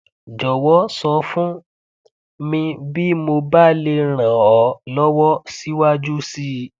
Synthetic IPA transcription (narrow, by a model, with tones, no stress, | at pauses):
d͡ʒɔ˨wɔ˨˦sɔ˧fũ˦ | mĩ˧bi˦mo˧ba˦le˧ɾ̃ã˨ɔ˨˦lɔ˦wɔ˦si˦wa˦d͡ʒu˦si˦